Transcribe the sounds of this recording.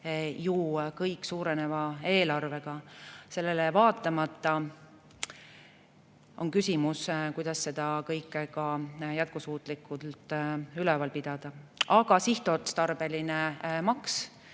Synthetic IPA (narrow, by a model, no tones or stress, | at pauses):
jukɤjkːˑsuːɾe̞ne̞vɑe̞ːlɑrve̞ɡ̥ɑse̞lːe̞levɑːt̪ˑːɑmɑt̪ːˑɑ | o̞̰nkysʲimuskujd̪̥ɑsːe̞d̪̥ɑkɤjkːˑkɑjæt̪̚kusuːt̪ˑlikːˑult̪ˑylɛvɑlpid̪̥ɑd̪̥ɑɑɡ̥ɑsiht̪ˑot̪st̪ɑrb̥e̞linemɑks